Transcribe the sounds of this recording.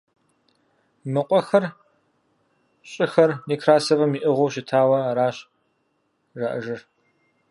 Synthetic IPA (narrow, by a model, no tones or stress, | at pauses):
mɨqʷʼɔxɐr | ɕʼɪxɐrniːkʰraːsɐvɐmiːʔɨʁʷowʃɪtʰaːwɐɾaːɕ | ʒaːʔɨʒɨr